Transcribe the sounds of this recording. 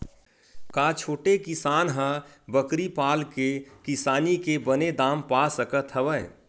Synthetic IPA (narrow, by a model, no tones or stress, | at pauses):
kaːt͡ʃʰoːʈekɪsaːnɦãbəkɾipaːlkekɪsaːnikebəned̪aːmpasəkət̪ʰɦəʋəj